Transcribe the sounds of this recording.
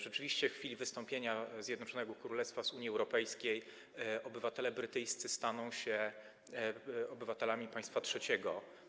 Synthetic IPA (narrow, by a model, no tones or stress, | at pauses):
ʐɛt͡ʂɘvʲiɕt͡ɕɛfxfʲilʲivɘst̪ɔ̃mpʲjeɲazʲjɛd̪nɔt͡ʂɔnɛɡɔkɾulɛst̪fazuɲjiɛwɾɔpɛjskʲej | ɔbɘvat̪ɛlɛbɾɘt̪ɘjst̪sɘst̪anɔ̃w̃ɕɛ | ɔbɘvat̪ɛlamʲipaj̃st̪fatʂɛt͡ɕɛɡɔ